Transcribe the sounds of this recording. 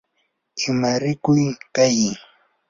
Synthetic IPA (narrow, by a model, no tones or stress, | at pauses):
ɪmaɾɪkʊjkaj